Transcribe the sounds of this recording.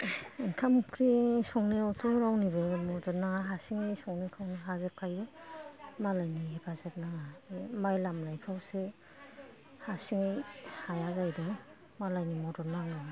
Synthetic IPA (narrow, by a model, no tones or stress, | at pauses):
iŋkʰamkʰɾisɔŋniawtʰuŋɾawnibɯmɔdɔnːaŋaɦasiŋejsɔŋnikʰawniɦazep̚kʰajbɯ | malajniɦipʰazep̚naŋamajlamlajpʰawse | hasiŋehajazajdɯŋ | malajnimɔdɔnːaŋɯ